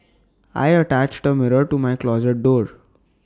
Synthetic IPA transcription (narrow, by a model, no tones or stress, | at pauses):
a̰jəʈæt͡ʃʈəmɪɾəɾʈumajklɔzeʈ̚ɖoːɾ